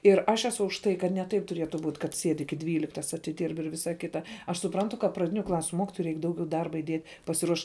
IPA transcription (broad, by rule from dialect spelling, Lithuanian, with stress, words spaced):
ɪr ɐʃ ɛˈsʊ ʊʃ ˈtɐɪ kɐt nʲɛ ˈtɐɪp tʊˈrʲiɛtʊ buːt kɐt ˈsʲiɛtʲ ˈɪkʲɪ ˈdʲʋʲiːlʲɪktɐs ɐtʲɪˈdʲiːrp ɪr ˈʋʲɪsɐ ˈkʲɪtɐ ɐʃ sʊˈprɐntʊ kɐ prɐˈdʲɪnʲʊ ˈklˠɑːsʲʊ ˈmoːkʲɪtoːjɛɪ ˈrʲɛɪk ˈdɐʊɡʲɛʊ ˈdɐrbɐ ɪˈdʲiɛt pɐsʲɪˈruɔʃ